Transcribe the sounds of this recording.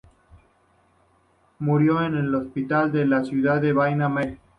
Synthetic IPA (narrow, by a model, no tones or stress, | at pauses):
muɾjo̞enelo̞spit̪ald̪elasjuðaðeβajname